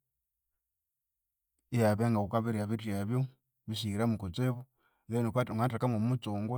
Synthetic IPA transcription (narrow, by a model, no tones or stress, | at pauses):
ijaβeŋɡakukaβiɾiaβitjaβjo | βiʃiɾamukut͡seβu | ɣenokwatŋatakamomut͡soːŋɡwe